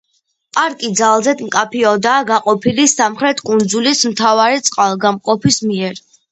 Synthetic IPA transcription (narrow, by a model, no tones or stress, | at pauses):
pʼaɾkʼid̪zalˠzɛd̪mkʼapʰiɔd̪aːɡaqʼɔpʰilisamχɾɛt̪ʰkʼund̪zulismt̪ʰavaɾit̪sʼqʼalˠɡamqʼɔpʰismiɛɾ